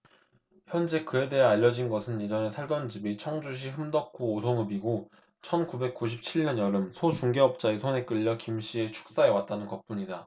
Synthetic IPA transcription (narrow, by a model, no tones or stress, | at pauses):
çjʌnd͡ʑe̞kɯede̞ɦaaʎːʌd͡ʑinɡʌsʰɯnid͡ʑʌne̞sʰaɭdʌnd͡ʑibit͡ɕʰʌŋd͡ʑuɕ̬ʰiɦɯmdʌk̚k͈ʰuːsʰoŋɯbiɡo | t͡ɕʰʌnkube̞k̚k͈uɕʰip̚t͡ɕʰiɭɲʌɲjʌɾɯmsʰot͡ɕuŋɡe̞ʌp̚t͡ɕ͈aesʰone̞k͈ɯʎːʌkimɕ͈ʰie̞t͡ɕʰu̥k̚s͈ae̞wat̚t͈anɯnkʌp͈uɲida